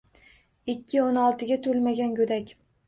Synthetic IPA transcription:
ɪkʲʰːɪonɒlˠt̪ʰɪɡʲat̪ʰolmaɡʲankɵd̪akʲ

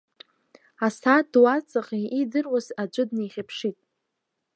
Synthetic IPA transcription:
asadwat͡sʼaχiidɨrwazad͡ʒʷʼɨdnejχʲapʰʂitʼ

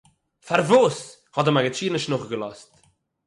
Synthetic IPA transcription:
farvos | hɔdəmaɡət͡ʃiːnəʃnʊχɡəlɔst

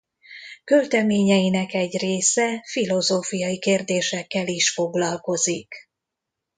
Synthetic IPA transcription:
kølt̪ɛmeːɲɛjinɛkɛɟreːsɛfilo̞zoːfijɒjikeːrd̪eːʃɛkːɛliʃfo̞ɡlɒlko̞zik

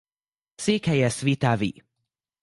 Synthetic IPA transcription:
seːkhɛjɛsvit̪avḭ

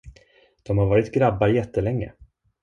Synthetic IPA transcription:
d̪̥ɔmhaɾvɑːɾɪt̪ɡɾabːajɛt̪ʰːəlɛŋːə̰

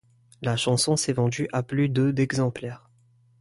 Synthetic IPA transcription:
laʃɑ̃sɔ̃sɛvɑ̃d̪yʔaplyd̪əd̪ɛɡzɑ̃plɛːʁ

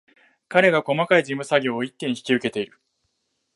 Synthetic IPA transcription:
kaɾe̞ɡako̞makaid͡ʑĩmːɯ̟saɡʲo̞ːit̪ːẽ̞ɲ̃çi̥kʲiɯ̟ke̞t̪e̞iɾɯ̟

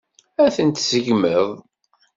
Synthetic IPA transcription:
æθənt̪səʝməðˤ

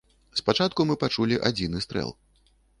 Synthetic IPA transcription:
spat͡ʂat̪̚kumɨpat͡ʂulʲiʔad͡zʲinɨst̪ɾɛ̰lˠ

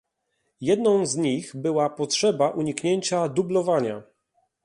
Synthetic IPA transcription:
jɛd̪nɔ̃w̃zɲixbɘwapɔtʂɛbaʔuɲikɲeɲt͡ɕad̪ublɔvaɲa

